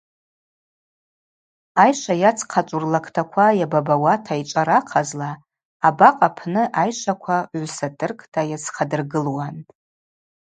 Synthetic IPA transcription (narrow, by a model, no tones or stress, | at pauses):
ajʂʷajat͡sʰqʰat͡ʃʷʼurlakʼʰtʰakʷʰajababawatʰait͡ʃʷʼaɾaqʰazlaː | baqʼapʰnɨʔajʂʷakʷʰaʕʷsatʰʼɨrkʼtʰʼajat͡sʰqʰadɨrɡɨlwantʼ